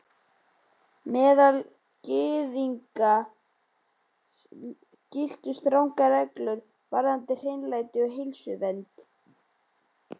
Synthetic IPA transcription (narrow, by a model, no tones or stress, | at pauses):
mɛːðal | cɪːðiŋka | cɪl̥t̪ʏst̪ɾawŋkaɾɛklʏɾ | vaɾðant̪ɪr̥ɪnlaːjt̪ɪɔɦɪlsʏvɛnt̪